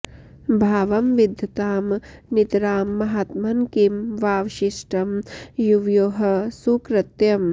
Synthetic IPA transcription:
bʱaːʋɐmʋid̪ʱjɐt̪aːmnit̪ɾaːmːɐɦat̪mɐnkimʋaːʋʃiʂʈɐmjuʋjoːɦɐ̆sukɾɐt̪jɐm

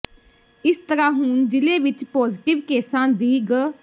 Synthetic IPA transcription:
ɪst̪əɾãːɦʊnd͡ʒɪleːʋɪt͡ʃpoːzʈɪʋkeːsãːd̪iːɡ

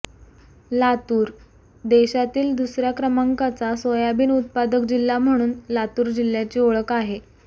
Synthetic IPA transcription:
lat̪uːɾ | d̪eɕat̪iːld̪usɾjakɾəmaŋkat͡sasʋəjabiːnut̪̚pad̪ək̚d͡ʑilːam̤əɽ̃uːnlat̪uːɾd͡ʑil̤ːjat͡ɕioɭəkaɦe

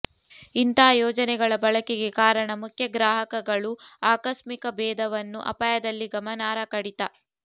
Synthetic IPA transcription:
int̪ɐɦːjɔːd͡ʒɐnɛɡɐɭɐbɐɭɐkɛɡekaːɾɐɳɐmukʰjɐɡɾaːɦɐkɐɡɐɭuaːkɐʃmikɐbɛːd̪ɐʋɐnːuʔɐ̰pajɐd̪ɐlːiɡɐmɐnaːɾɐkɐɽit̪ɐ

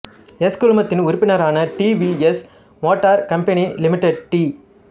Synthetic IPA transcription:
ɛskʊɻʊmɐt̪ːɪnʊɾʊpːɪnɐɾaːnɐʈiːʋiɛs | moːʈːaːɾkɐmpɐnilɪmɪʈːɐɖ̚ʈiː

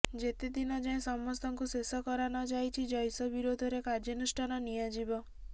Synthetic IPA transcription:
d͡ʒet̪ed̪inɔd͡ʒãẽsɔmːɔst̪ʰɔŋkusesɔkɔɾanɔd͡ʒajt͡ʃʰid͡ʒɔjsɔbiɾod̪ʱɔɾekaɾd͡ʒɔnusʈʰanɔnijad͡ʒibɔ

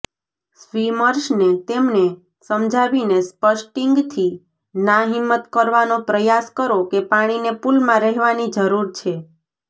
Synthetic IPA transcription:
sʋiməɾʃnet̪emne | səmd͡ʒʱaʋinespəʃʈiŋɡt̪ʰi | naɦimːət̪kəɾʋanopɾəjaskəɾokepaɽ̃inepulmãɾɛɦʋanid͡ʒəɾuɾt͡ʃʰe

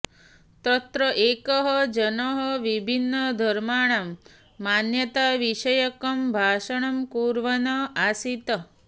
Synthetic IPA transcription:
t̪ət̪ɾəʔekəɦɔd͡ʒənəɦʌʋibʱinːəd̪ʱəɾmaːɳ̃amː | anjɐt̪aʋiʃəjəkɐmbʱaːʃɐɳ̃ɐmkuːɾʋɐnɐasit̪ə

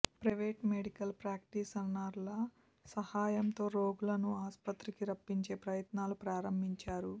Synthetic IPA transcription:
pɾɐjʋeːʈmeɽikɐlpɾaːk̚ʈiːsɐnːaːɾlɐ | sɐhaːjɐmt̪o̞ːɾo̞ːɡulɐnuaːspɐt̪ɾikiɾɐpːiɲt͡ʃe̞ːpɾɐjɐt̪naːlupɾaːɾɐmbʱiɲt͡ʃaːɾu

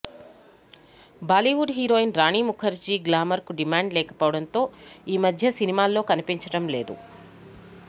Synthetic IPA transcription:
baːliʋuɖɦiːɾo̞ːjinɾaːɳiːmukʰɐɾd͡ʒiːɡlaːmɐɾkuɖimaːɳɖlɛːkɐ̥poːʋɐɽɐnt̪o̞ːiːmɐd̪ʱjɐsinimaːlːo̞ːkɐnipiɲt͡ʃɐɽɐmle̞ːd̪ṵ

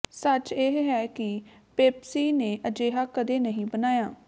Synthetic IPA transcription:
sət͡ʃeɦɦɛːkɪ | peːpsiːneːʔəd͡ʒeːɦaːkəd̪eːnəɦĩːbənaːjaː

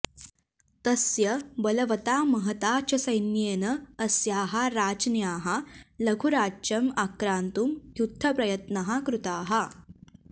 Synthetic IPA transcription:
t̪ɐsjɐbɐlɐʋɐt̪aːmɐɦɐt̪aːt͡ʃɐsɐjnjeːnɐːsjaːɦɐɾaːd͡ʒnjaːɦɐlɐɡʰʱuɾaːt͡ʃɐmakɾaːnt̪umɦjud̪ʱʰːɐpɾɐjɐt̪nɐɦɐkɾut̪aːɦɐ

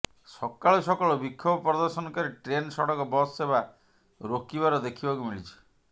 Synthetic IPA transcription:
sɔkːaɭosɔkɔɭɔbikʰːobɔpɾɔd̪ɔɾsɔnɔkɔɾeʈɾensɔɽɔkɔbɔseba | ɾokibaɾɔd̪ekʰibakumiɭit͡ʃʰi̥

